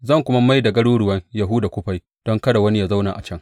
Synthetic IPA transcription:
zɐ˦˨ŋkʷʊ˦ma˦ma˦jdɐ˨ɡɐ˦ɽuː˦ɽʊ˨wɐ˦ŋja˨ɦuː˦da˨kʷʊ˦ɸa˦j | d̥ɔ˦ŋkɐ˦da˨wɐ˦ni˦ja˨za˦wna̰ː˨ʔa̰˨t͡ʃɐ˦ŋ

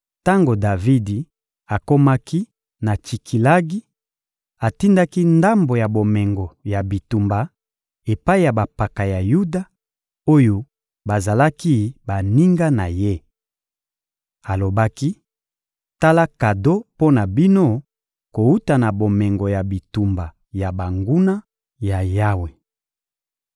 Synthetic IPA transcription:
ta˦ŋɡo˨da˨vi˦di˨ | a˨ko˦ma˦ki˦ | na˨t͡ʃi˨kʰi˨la˦ɡi˦ | a˨ti˦nda˦ki˦nda˦mbo˨ja˨bo˨mɛ˨ŋɡo˨ja˨bi˨tu˨mba˨ | e˨pa˦i˦ja˨ba˨pa˨ka˨ja˨ju˦da˨ | o˦jo˦ | ba˨za˨la˦ki˦ba˨ni˦ŋɡa˦na˨je˦ | a˨lo˨ba˦ki˦ | ta˦la˦ka˨do˦po˦na˨bi˦no˦ | ko˨u˦ta˨na˨bo˨mɛ˨ŋɡo˨ja˨bi˨tu˨mba˨ | ja˨ba˨ŋɡu˦na˦ | ja˨ja˦we˨

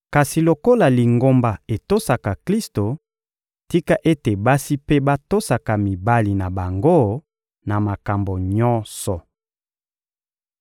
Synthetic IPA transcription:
ka˨si˨lo˨ko˦la˨li˨ŋɡo˦mba˨e˨to˦sa˨ka˨kli˦sto˨ | ti˦ka˦ʔe˦te˨ba˦si˦pe˦ba˦to˦sa˨ka˨mi˨ba˦li˨na˨ba˨ŋɡo˦ | na˨ma˨ka˨mbo˨ɲɔ̃˦sɔ˨

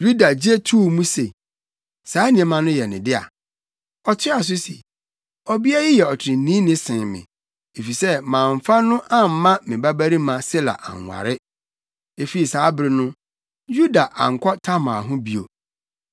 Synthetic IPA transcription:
ju˦da˨d͡ʑe˦tʰu˦˨mũ˦se˨ | saː˨˦nĩ˨ɛ̃˦mã˨nʊ̃˦jɛ˨nɪ̃˨dɪ˦a̰˨ | ɔ˨tʰɪ˦a˨s̬ʊ˦sḭ˨ | ɔ˦bi˦a˦ji˦jɛ˨ɔ˨tʰɪ˨ɾɪ̃˨˦nĩː˦nɪ̃˦sɪ̃˨mɪ̰̃˨ | e˨fi˨sɛ˦mã˨ɱ̩˨fa˦nʊ̃˦ʔã˦m̩˨˦mã˦mɪ̃˨ba˦bæ˦ɾi˦mã˨sɪ˦la̰˨ʔa̰˨ŋ˨a̰˨ɾɪ˦ | e˨fi˨ɾi˨saː˨˦bɾɪ˨nʊ̃˦ | ju˦da˨ʔa̰˨ŋ̩˨kʰɔ˦tʰa˦mã˨ɦʊ̃˦bi˨o̰˨

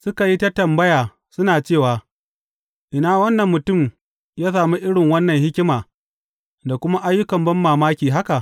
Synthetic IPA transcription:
sʊ˦ka˨ji˦ta˦tɐ˨mbɐ˦jaː˨ | sʊ˦naː˨t͡ʃeː˦˨waː˨ | ʔɪ˨naː˦˨wɐ˦nːɐ˨mːʊ˨tʊ˦˨m | jaː˦s̬aː˨mu˦ʔɪ˦ɽɪ˨ŋwɐ˦nːɐ˨ŋhɪ˦kʲɪ˦maː˨ | da˨kʷʊ˦ma˦ʔa˦jːʊ˦kɐ˨mbɐ˦mːaː˨maː˦kʲiː˨ɦa˦ka˨ʔ

